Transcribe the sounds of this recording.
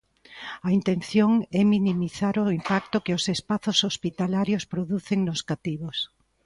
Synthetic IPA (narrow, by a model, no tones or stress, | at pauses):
ɐint̪ẽnθjoŋɛminimiθaɾʊimpak̚t̪ʊkeosespaθosospit̪alaɾjospɾoðuθeŋnoskat̪iβos